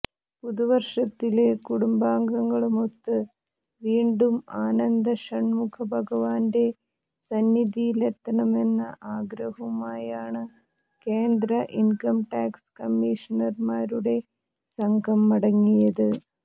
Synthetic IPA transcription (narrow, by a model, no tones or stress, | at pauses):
puðuʋɐrʂɐt̪ːilekuɽumbaːŋɡɐŋːɐɭumot̪ːɨ | ʋiːɳɖumaːnɐnd̪ɐʂɐɳmukʰɐbʱɐɡɐʋaːnde̞ | sɐnːid̪ijilet̪ːɐɳɐme̞nːɐ̰ʔaːɡɾɐɦumaːjaːɳɨ | ke̞ːnd̪ɾɐʔinkɐmʈaːkskɐmːiːʂɐnɐrmaːɾuɽe̞ | sɐŋɡʱɐmːɐɽɐŋːijɐðɨ